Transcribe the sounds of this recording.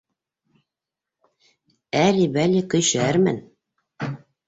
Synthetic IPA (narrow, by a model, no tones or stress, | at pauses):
ælibælikɵ̆jɕæɾmɘ̰n